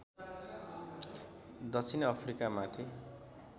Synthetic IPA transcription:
d̪ʌt͡sʰinʌpʰrikamat̪ʰi

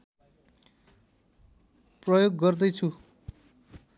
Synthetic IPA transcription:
prʌjoɡːʌrd̪ʌjt͡sʰu

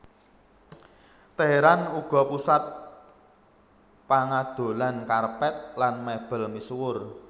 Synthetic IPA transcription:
t̪eeɾanuɡ̥ɔ̤pusat̪̚ | paŋad̪̥o̤lankarpɛt̪̚lanmeb̥ə̤lmisuwʊr

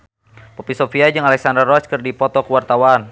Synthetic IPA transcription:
pɔpisɔfiad͡ʒɨŋalɛksandərɔt͡ʃkɨrdipɔt̪ɔkuwart̪awan

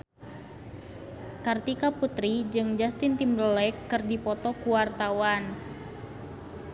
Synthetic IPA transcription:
kart̪ikaput̪ɾid͡ʒɨŋd͡ʒast̪int̪imbləlɛkːɨrdipɔt̪ɔkuwart̪awan

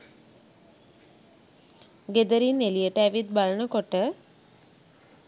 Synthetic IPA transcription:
ɡed̪əɾinelijəʈəæʋit̪̚balənəkoʈə

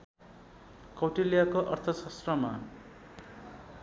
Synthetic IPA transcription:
kʌwʈilijakoʔʌrt̪ʰʌsʌst̪rʌma̰

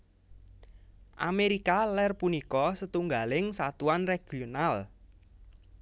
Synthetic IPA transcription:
ʔa̰meɾikalɛrpunikɔsət̪uŋɡalɪŋsat̪uanreɡ̥ional

